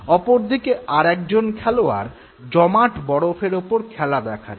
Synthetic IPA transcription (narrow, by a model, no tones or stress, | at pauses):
ɔpoɾd̪ʱikeaɾɛk̚d͡ʑonkʰɛloa̰ɾ | d͡ʑɔmaʈbɔɽofʰeɾopoɾkʰɛlad̪ɛkʰaɾ